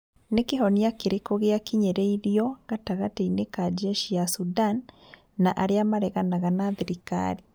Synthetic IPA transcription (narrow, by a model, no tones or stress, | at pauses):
nekeɦɔniakeɾekoɣeakiɲɛɾɛiɾiɔɣataɣateinekad͡ʒɛʃiasudanː | aʔaɾeamaɾɛɣanaɣanaðiɾika̰ɾi